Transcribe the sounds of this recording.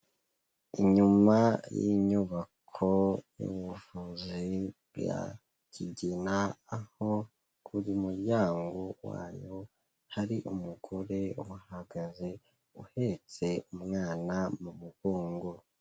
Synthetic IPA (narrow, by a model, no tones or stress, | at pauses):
iɲumajḭɲuβakʰojṵβuvuziβja̰ | ciɟinaːho | kʰuɾimuɾɟaːŋɡowa̰ːjo | haɾiʔumuɡo̞ɾe̞uhaɡaze̞ | uhe̞t͡se̞umŋaːnamumuɡoːŋɡo̞